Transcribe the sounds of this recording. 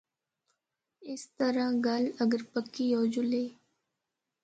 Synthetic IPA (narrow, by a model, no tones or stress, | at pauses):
ɪst̪əɾãɡələɡəɾpəkːiːjɔːd͡ʒʊleː